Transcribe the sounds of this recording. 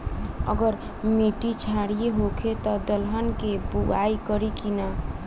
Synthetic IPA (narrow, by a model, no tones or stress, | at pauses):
ə̰ɡəɾ | meʈit͡ʃʰaɽijeɦokʰet̪ɔd̪əlɦənkebuɡaikəɾikina